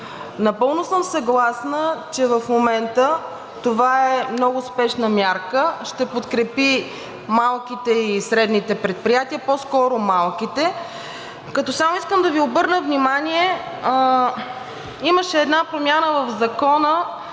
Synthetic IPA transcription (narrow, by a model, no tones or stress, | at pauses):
nɐpɤlˠnʊsəmsɐɡlˠasnət͡ʃɛvɐfmomɛnt̪ə | t̪ovaɛmnɔɡʊspɛʃnəmʲjaɾkəʃt̪ɛpot̪kɾɛpi | malˠk̟it̪ɛisɾɛd̪nit̪ɛpɾɛt̪̚pɾijat̪iəpɔskɔɾʊmalˠkit̪ɛ | kɐt̪ɔsamʊiskəmd̪ɐviobɤɾnəvnimanʲiɛ | iməʃɛːd̪napɾomʲjanəvəvzɐkɔnə